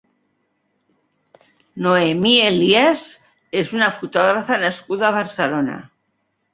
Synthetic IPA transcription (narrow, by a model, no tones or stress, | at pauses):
noemielias | esunafut̪oɣɾafanaskuðaβaɾselona̰